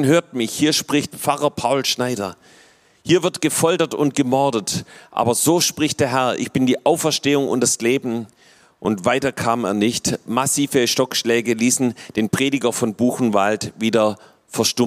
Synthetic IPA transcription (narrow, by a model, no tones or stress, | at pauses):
nɦøːɐt̚mɪçhiːɐʃpʁ̥ɪçt̚pp͡faʁɐpʰaʊlʃnaɪɾɐ̰ | hiːɐvɪɐtɡ̥əfɔltɐtʊ̰ntɡ̥əmɔɐdətʔa̰ːbɐzoːʃpʁ̥ɪçtd̥eːɐɦɛɐʔɪ̰çb̥ɪndiːʔaʊfɛɐʃteːʊŋʊ̰ntd̥asleːbm̩ | ʔʊntv̥aɪtɐkʰaːmeːɐnɪçtmasiːvəʃtɔkʃlɛːɡəliːsn̩d̥eːnpʁ̥eːdɪɡɐfɔnbuːxn̩valtviːdɐ | fɛɐʃtʊ